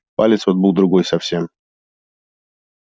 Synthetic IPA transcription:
palʲɪt̪svot̪̚bɨlˠd̪ɾʊɡojsɐfsʲe̞m

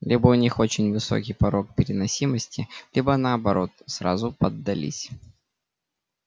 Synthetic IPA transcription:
lʲibəʊnʲixo̞t͡ɕɪnʲvɨso̞̰kʲijpɐɾo̞k̚pʲɪɾʲɪnɐsʲiməsʲtʲɪlʲʔibənəːbɐɾʔo̞t̪sɾa̰zʊpəd̪ːɐlʲḭsʲ

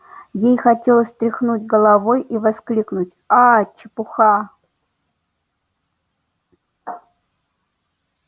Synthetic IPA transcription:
jejxɐtʲelˠəsʲt̪ɾʲɪxnutʲɡəlˠavojivɐsklʲiknutʲat͡ʃɪpʊxa

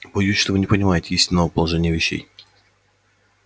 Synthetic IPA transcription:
bɐjusʲʂt̪ovɨnʲɪpənʲɪmajɪtʲɪisʲtʲɪnːəvəpəlˠɐʐɛnʲɪjəvʲɪɕːḛj

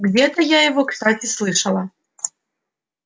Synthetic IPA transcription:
ɡd͡zʲɛt̪ɐjajɐvɔkst̪at͡sʲislˠɨʂɐlˠɐ

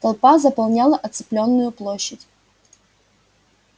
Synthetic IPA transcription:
t̪ɐlˠpazəpɐlˠnʲalˠəʔɐt̪sɨ̥plʲo̞nːʊjʊplˠoɕːətʲ

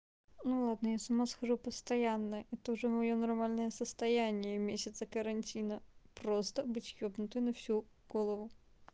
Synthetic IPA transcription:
nulˠad̪nəjasɐmaskɐʐupəst̪ɐjanːəɛt̪əʊʐɛmɐjonɐrmalʲnəjəsəst̪ɐjænʲɪjəmʲesʲɪt̪səkəɾɐnʲtʲinəpɾost̪əbɨtʲjobnʊt̪ɨjnɐfsʲu | ɡ̥olˠəvʊ

